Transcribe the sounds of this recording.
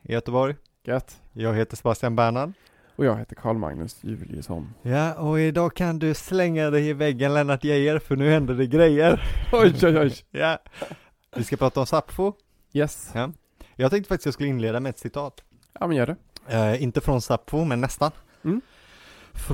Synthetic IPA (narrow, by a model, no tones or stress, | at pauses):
ɪ̰jœt̪ːəbɔɾj | ɡ̥ɛt̪jɑːɡɦeːt̪əʂsɛbast̪ɪjanbæːɳan | ɔjɑːɡɦeːt̪əkʰɑ̰ːɭma̰ŋnɵ̰sjʉ̰vɪljə̰sɔ̰njaɔɪd̪ɑːkʰand̪ɵslɛŋːad̪ɛɪɪvɛɡːənlɛmnat̪jɛjːəɾfœɳʉːhɛnd̪əɖɛɡɾɛjːəɾɔjɔjɔjja | vɪskapʰɾɑːt̪aɔmsapfʊ | jɛsja | jɑɡt̪ɛ̃ŋkt̪əfakt̪ɪstjɑːɡskɵlːɪnleːd̪amɛɛt̪sɪt̪ʰɑːt̪ | jɑ̰ːmɛnjœːɖɛɪnt̪əfɾɔnsapfʊmɛnːɛst̪an | f